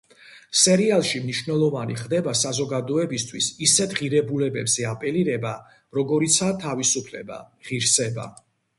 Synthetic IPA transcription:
sɛɾialˠʃimniʃvnɛlˠɔvaniχd̪ɛbasazɔɡad̪ɔɛbist̪ʰwisisɛt̪ʰʁiɾɛbulɛbɛbz̥ɛapʼɛliɾɛba | ɾɔɡɔɾit̪sʰat̪ʰavisupʰlɛ̰ba̰ʁiɾsɛba̰

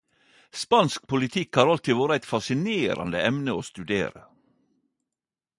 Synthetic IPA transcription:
spɑnsk̚pʊlɪt̪ʰɪkhɑːɾɑlt̪ɪʋoːɾəæɪt̪fɑsɪneːɾɑ̰nd̪ə̰ɛmnəoːst̪ʉd̪ḛːɾə

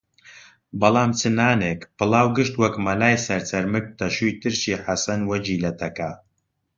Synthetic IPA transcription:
bɐlˠaːmt͡sʰɨnaːneːkpɨlˠaːwɡɨʃt̪wɐkmɐlaːjsɐɾt͡sɐɾmɨk̚t̪ɐʃujt̪ɨɾʃiːħasɐnwɐd͡ʒiːlɐt̪ʰɐka

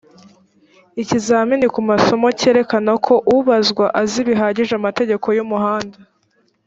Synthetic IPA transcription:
icizaːminikumaso̞mo̞ce̞ːɾe̞kanakʰo̞ʔuβazɡwaʔaziβiɦaːɟiʒamate̞ɟe̞kʰo̞jumuɦaːnda

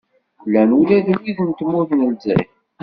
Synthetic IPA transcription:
lːænulæðəlːiðənt̪mːuθnəlz̰

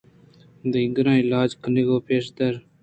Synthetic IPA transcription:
d̪əɪɡɾɑ̃ːɪlɑːd͡ʒkʰəneɡoːpeːʂd̪ɐɾ

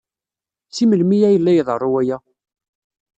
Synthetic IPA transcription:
t͡sːiməlmijæjəlːæjəðˤərˤːuwæjæ

